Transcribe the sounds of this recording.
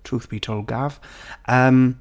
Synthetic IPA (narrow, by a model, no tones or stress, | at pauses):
tʰɹ̥uːˑθb̥itʰoʊlˠɡav̥ʔəm